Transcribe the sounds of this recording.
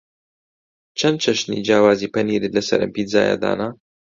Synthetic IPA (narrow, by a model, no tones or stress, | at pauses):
t͡ʃʰɐnd̪̚t͡ʃʰɐʃnḭd͡ʒaːwaːziːpɐniːɾɨlɐsɐ̰ɾɨ̰mpiza̰ːja̰d̪a̰ːna